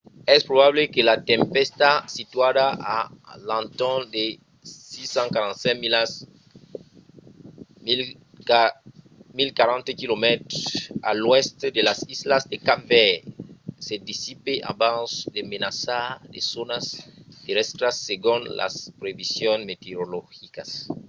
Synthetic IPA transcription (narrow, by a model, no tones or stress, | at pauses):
ɛspɾoβaβlekelat̪ẽmpɛst̪asit̪waðaʔa̰lãnt̪ɔnd̪e | sisãŋkaɾãnt̪sɛ̃milas | milkaɾãnt̪ekilomɛt̪ɾosa̰lwɛst̪ed̪elasizlazd̪ekave | sed̪isipeʔa̰bãsd̪emenasaɾd̪ḛsonast̪eɾɛst̪ɾasːeɣũnla̰spɾeβisjõnmet̪eɾolɔxikas